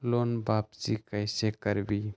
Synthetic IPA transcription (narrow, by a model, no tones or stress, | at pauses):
loːnbaːpzikəɪsekəɾbi